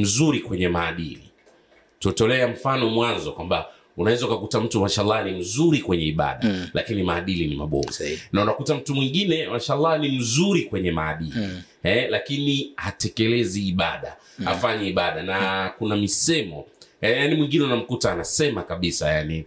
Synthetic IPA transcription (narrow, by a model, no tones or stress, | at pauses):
m̩zuɾikwɛɲɛmaːɗḭlḭ | tutɔlɛam̩fanɔmwanzɔkwamba | unawɛzaukakutam̩tumaʃalːɑnim̩zuɾikwɛɲɛiɓa̰ɗa̰la̰kinimaːɗilinima̰ɓɔ̰vɛnaunakutam̩tumwiŋɡinɛmaʃaːlˠːɑnim̩zuɾikwɛɲɛma̰ːɗili | hɛlakinihatɛkɛlɛziːɓa̰ɗa̰ | a̰faɲɛiɓaɗanakunamisɛmɔɛjanimwiŋɡinɛunam̩kutaːnasɛmakaɓisajani